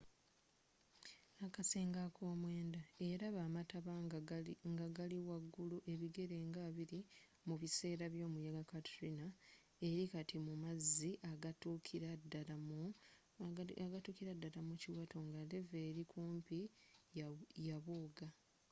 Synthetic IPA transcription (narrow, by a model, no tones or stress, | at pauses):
akaseːŋɡakʰo̞ːmwe̞ːndae̞ɾaβaːmataβa | ŋɡaɡaliwaɡːuluʔe̞βiɡe̞ɾe̞ːŋɡaːβiɾi | muβise̞ːɾaβjo̞ːmujaɡakatɾina | e̞ɾikatʰimumazːiʔaɡatukʰiɾadalam | aɡatukiɾadːaɾamuciwatʰo̞ŋɡale̞ve̞ːɾikʰuːmpi | jaβuːɡa